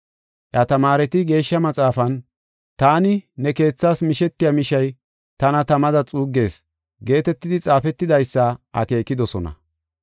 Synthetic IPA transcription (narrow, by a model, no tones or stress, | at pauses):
ʔjɐt̪ɐmaːɾɛt̪ɪɡe̞ːʃːɐmɐt͡sʼaːfɐn | t̪aːnɪnɛke̞ːt͡sːaːsmɪʃɛt̪ːɪjɐmɪʃɐj | t̪ɐnɐt̪ɐmɐd̪ɐt͡sʼuːɡːe̞ːs | ɡe̞ːt̪ɛt̪ːɪd̪ɪt͡sʼaːfɛt̪ːɪd̪ɐjsːɐʔɐ̰ke̞ːkːɪd̪ɔsɔnɐ̰